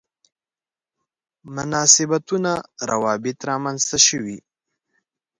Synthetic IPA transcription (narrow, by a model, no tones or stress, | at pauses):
mʊnɑːsɪbat̪unaɾa̰wɑbɪt̪ɾɑmanzt̪aʃəwi